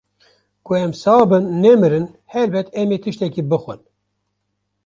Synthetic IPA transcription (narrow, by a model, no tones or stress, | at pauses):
kuɛmsɑːbɨnːɛmɨɾɨn | hɛɾbɛt̪ʰɛmeːt̪ʰɨʃt̪ɛkiːbɨxwɨ̰n